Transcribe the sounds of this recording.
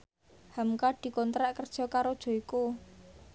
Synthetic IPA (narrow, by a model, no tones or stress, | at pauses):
hamkaɖ̪̥i̤kɔnt̪ɾaʔkərd̥ʒ̥ɔ̤kaɾod̥ʒ̥ɔ̤iku